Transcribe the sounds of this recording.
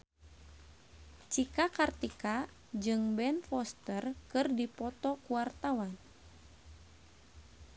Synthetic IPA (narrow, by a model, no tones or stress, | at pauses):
t͡ʃikakart̪ika | d͡ʒɨŋbɛnfɔst̪ərkɨrdipɔt̪ɔkuwart̪awan